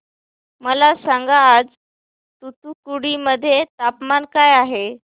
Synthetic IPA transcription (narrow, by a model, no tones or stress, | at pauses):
məlasaŋɡaːd͡z | t̪ut̪ukuɽiməd̪ʱːjet̪apmankajaɦe